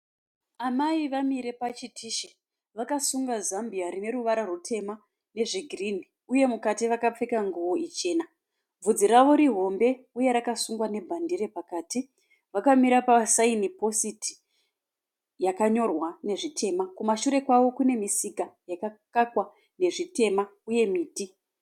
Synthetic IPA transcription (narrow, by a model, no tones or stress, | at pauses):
amaiʋamiɾe̞pat͡ʃitʰiːʃe | ʋakasuŋɡazambiaɾine̞ɾuʋaɾarutʰe̞ma | ne̞ʐiɡʱirin̤i | uje̞mukatiʋakap͡fekaŋɡuʋo̞ʔit͡ʃe̞ːna | b͡vud͡ziɾaʋo̞ɾiɦo̞mbe̞ | uje̞ɾakasuŋɡwane̞bʱandiɾe̞pakaːti | ʋakamiɾapasainipo̞siti̥ | jakaɲo̞rwane̞ʐitʰe̞makumaʃuɾe̞kwaʋo̞kune̞misikajakakakwa | ne̞ʐite̞mauje̞miːti